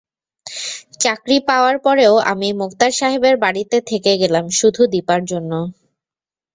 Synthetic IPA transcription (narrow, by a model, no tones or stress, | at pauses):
t͡ɕakɾipaoaɾpɔɾeoa̰mimokt̪aɾʃaɦebeɾbaɽit̪et̪ʰekeɡelamʃud̪ʱud̪ipaɾd͡ʑonːo